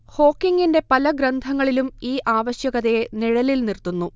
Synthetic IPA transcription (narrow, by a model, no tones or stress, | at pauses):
ho̞ːkːiŋɡinde̞pɐlɐɡɾɐnd̪ʱɐŋːɐɭilumiːʔaːʋɐɕjɐɣɐðeniɻɐlilnirt̪ːunːu